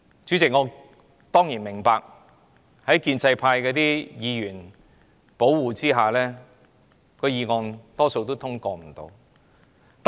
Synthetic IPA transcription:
t͡ʃy˨˥t͡sɪ˨k̚ŋɔː˨˧ | t̪ɔː˥ŋjiː˨˩nmɪ˨˩ŋpaː˧k̚ | hɐ˨˥jkiː˧nt͡sɐ˧jpʰaː˧jkɛː˧t̪iː˥jiː˨˧jyː˨˩n | po˨˥wwuː˨˧t͡siː˥ɦaː˨lɛː˥ | kʰɵ˨˧ɥjiː˨˧ŋɔː˧nt̪ɔː˥so˧wt̪o˥wt̪ʰʊ˥ŋkɔː˧m̩˨˩t̪o̰˧w | t̪

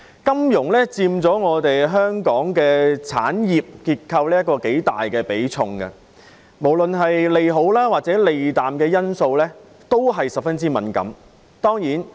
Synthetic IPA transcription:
kɐ˥mjʊ˨˩ŋlɛː˥t͡siː˧mt͡sɔː˨˥ŋɔː˨˧t̪e˨jɦœː˥ŋkɔː˨˥ŋkɛː˧t͡sʰa̰ː˨˥njiː˨p̚kiː˧t̚kʰːɐ˧wliː˥ɐ˥t̚kːɔː˧ke˨˥jt̪a̰ː˨jkɛː˧pe˨˥jt͡sʰʊ˧ŋɡɐ̰˧ | mo˨˩wlɵ˨nɦɐ˨jle˨jɦo˨˥wlaː˥waː˨t̚t͡sɛː˨˥le˨jt̪aː˨mkɛː˧jɐ˥nso˧wlɛː˥ | t̪o˥wɦɐ˨jsɐ˨p̚fɐ˥nt͡siː˥mɐ̰˨˥nkɐ̰˨˥m | t̪ɔː˥ŋjiː˨˥n

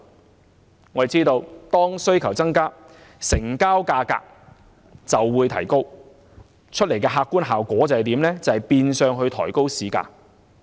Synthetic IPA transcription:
ŋɔː˨˧˨t͡siː˥t̪o˧wt̪ɔː˥ŋsɵ˥ɥkʰɐ˨˩wt͡sɐ˥ŋkaː˥ | sɪ˨˩ŋkaː˥wkaː˧ka̰ː˧k̚ | t͡sɐ˨wːuː˨˧jt̪ʰɐ˨˩jko˥w | t͡ʃʰɵ˥t̚le˨˩jkɛː˧ɦaː˧kːuː˥nɦaː˨wkʷɔː˨˥t͡sɐ˨whɐ˨jt̪iː˨˥mlɛː˥t͡sɐ˨whɐ˨jpiː˧nsœː˨˧ŋɦɵ˧ɥt̪ʰɔː˨˩jko˥wsiː˨˥ka̰ː˧

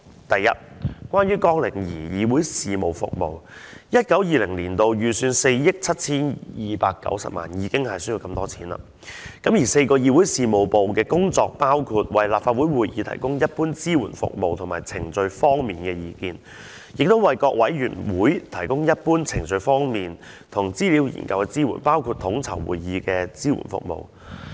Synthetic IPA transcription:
t̪ɐ˨jːɐ̰˥t̚kʷwaː˥njyː˥kɔː˥ŋlɪ˨˩ŋjḭː˨˩jiː˨˧wuː˨˥jsiː˨mo˨˩wfʊ̰˨k̚mo̰˨wjɐ˥t̚kɐ˨˥wjiː˨˧lɪ˨˩ŋliː˨˩nt̪o˨wjyː˨˩syː˨˧nse˧jjɪ˥k̚t͡sʰɐ˥t̚t͡sʰiː˥njiː˨˧pa̰ː˧kːɐ̰˨˥wsɐ̰˨p̚ma̰ː˨njiː˨˧˥kɪ˥ŋhɐ˨jsɵ˥ji˨˧wkɐ˧mt̪ɔː˥t͡sʰi̥ː˨˥nlɐ̰ː˧ | kɐ˨˥mjiː˨˩se˧jkɔː˧jiː˧wuː˨˥jsiː˨mo˨wpo˨wkɛː˧kʊ˥ŋt͡sɔː˧k̚paː˥wkʰuː˧t̚wɐ˨jlaː˨p̚faː˧t̚wu˨˥jwuː˨˩jjiː˨˧t̪ʰɐ̰˨˩jkʊ˥ŋjɐ˥t̚puː˥nt͡siː˥wṵː˨˩nfʊ̰˨k̚mo˨wt̪ʰʊ˨˩maː˨˩jt͡sʰɪ˨˩ŋt͡sɵ˧ɥfɔː˥ŋmiː˨nkɛː˧jiː˨˧kiː˧n | jɪ˨k̚t̪o˥wɐ˨jkɔː˧k̚wɐ˨˥jɥy̰ː˨˩nwuː˨˥jt̪ʰɐ˨˩jkʊ˥ŋjɐ˥t̚puː˥nt͡sʰɪ˨˩ŋt͡sɵ˧ɥfɔː˥ŋmiː˨n | t̪ʰʊ˨˩ŋt͡siː˥liː˨˥wjḭː˨˩nkɐ˧wkɛː˧t͡siː˥wṵː˨˩npaː˥wkʰuː˧t̚t̪ʰʊ˨˥ŋt͡sʰɐ̰˨˩wwṵː˨jjiː˨˧kɛː˧t͡siː˥wṵ˨˩nfʊ̰˨k̚mo̰˨w

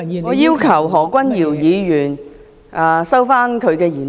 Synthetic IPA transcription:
ŋɔː˨˧jiː˥wkʰɐ˨˩wɦɔː˨˩kʷɐ˥njiː˨˩wjiː˨˧jyː˨˩n | ʔa˨sɐ˥wfaː˥nkʰɵ˨˧ɥkɛː˧jyː˨˩n

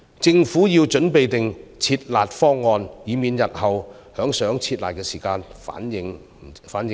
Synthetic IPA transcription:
t͡sɪ˧ŋfuː˨˥jiː˧wt͡ʃɵ˨˥npe˨jt̪ɪ˨ŋt͡sʰiː˧t̚laː˨t̚fɔː˥ŋːɔː˨˧njiː˨˧miː˨˧njɐ˨t̚hɐ˨w | hœː˨˥ŋsœː˨˥ŋt͡sʰiː˧t̚laː˨t̚kɛː˧siː˨˩kaː˧nfa̰ː˨˥njɪ˨˧ŋ˨ | faː˨˥njɪ˨˧

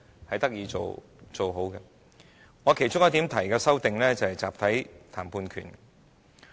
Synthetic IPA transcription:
hɐ˨jt̪ɐ˥k̚jiː˨˧t͡ʃo̰˨w | t͡so˨wɦo˨˥wkɛ˧ | ŋɔː˨˧kʰe˨˩jt͡sʊ˥jɐ˥t̪iː˨˥mt̪ʰɐ˨˩jkɛː˧sɐ˥wt̪ɪ˨ŋlɛː˥t͡sɐ˨hɐ˨jt͡sa̰ː˨p̚t̪ʰɐ˨˥jt̪ʰaː˨˩mpʰuː˧nkʰy̰ː˨˩n

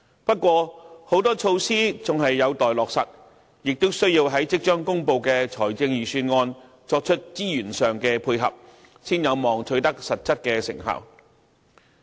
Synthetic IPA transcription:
pɐ˥t̚kʷɔː˧ho˨˥wt̪ɔː˥t͡ʃʰo˧wsiː˥t͡sʊ˨ŋɦɐ˨jːɐ˨˧wt̪ɔː˨jlɔː˨k̚sɐ̰˨t̚ | jɪ˨k̚t̪o˥wsɵ˥ɥjiː˧wɦɐ˨˥jt͡sɪ˥k̚t͡ʃœː˥ŋkʊ˥ŋpo˧wkɛː˧t͡ʃʰɔː˨˩jt͡sɪ˧ŋjyː˨syː˧nŋɔː˧n | t͡sɔː˧k̚t͡ʃʰɵ˥t̚t͡siː˥jyː˨˩nsœː˨ŋkɛː˧pʰuː˧jɦɐ̰˨p̚ | siː˥njɐ˨˧wmɔː˨ŋtʰɵ˧ɥt̪ɐ˥k̚sɐ˨t̚t͡sɐ˥t̚kɛː˧sɪ̰˨˩ŋɦɐ̰˨˩w

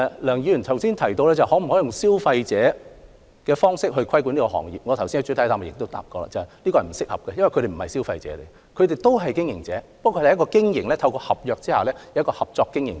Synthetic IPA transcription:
lœː˨˩ŋji˨˧jy˨˩nt̪ʰɐ˨˩wsiː˥nt̪ʰɐ˨˩jt̪o˧wlɛː˥t͡sɐ˨hɔː˨˥m̩˨˩hɔ˨˥jʊ˨ŋsiː˥wfɐ˧jt͡sɛː˨˥ | kɛː˧fɔː˥ŋsɪ˥k̚ɦɵ˧ɥkʰɐ˥jkʷu˨˥niː˥kɔː˧ɦɔ̰ː˨˩ŋjḭ˨p̚ŋɔ˨˧t̪ʰɐ˨˩wsiː˥nɐ˧t͡ʃy˨˥t̪ʰɐ˨˥jt̪ʰaː˧ma˨jɪ˨k̚t̪o˥wt̪a̰ː˧˨p̚kɔː˧la̰ː˨˧t͡sɐ˨whɐ˨˩jliː˥kɔ˧hɐ˨˩m̩˨˩sɪ˥k̚hɐ˨p̚kɛ˧jɐ˥nɐ˨kʰɵ˧ɾe˨˩m̩˨˩hɐ˨jsi˥wfɐ˧jt͡sɛ̰ː˨˥t̪e˨˩ | kʰɵ˨˧ɥɾe˨˩jt̪o˥wɦɐ˨jkɪ˥ŋjɪ˨ŋt͡sɛː˨˦pɐ˥k̪ʰːɐ˥kɔː˧kɪ˥ŋjɪ˨˩ŋlɛː˥t̪ʰɐ˧wkɔː˧hɐ˨p̚jœː˧k̚t͡siː˥ha̰ː˨˩lɛː˥jjɐ˥kɔː˧hɐ˨p̚t͡sɔː˧kːɪ˥ŋjɪ˨˩ŋ

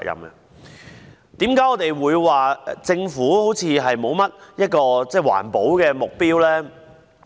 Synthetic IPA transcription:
jɐ̰˨mɐ̰˨ | t̪iː˨˥mka˨˥jɔ˨˧˥t̪e˨jwuː˨˧jwaː˨t͡sɪ˧ŋfuː˨˥ho˨˥wt͡sʰiː˨˧ɦɐ˨jmo˨˧wmɐ˥t̚jɐ˥t̚kɔː˧t͡sɛː˥˩wa̰ː˨˩npo˨˥wkɛː˧mʊ˨k̚piː˥wlɛː˥

